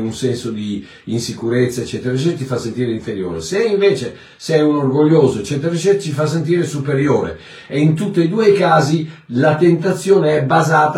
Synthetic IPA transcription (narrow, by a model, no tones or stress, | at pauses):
unsɛnsod̪i | insikuɾet̪sːaet͡ʃːɛːt̪eɾet͡ʃɛt̪ifasːent̪iːɾeiɱfeɾjo̰ːɾeseiɱveːt͡ʃe | sɛjunorɡoʎːoːzoet͡ʃːɛːt̪eɾet͡ʃːɛt͡ʃ̪ifas̬ːent̪̬iːɾesupeɾjoːɾḛ | eint̪ut̪ːeid̪uːejkaːzilat̪ent̪at̪sːjoːneɛbːazaːt̪a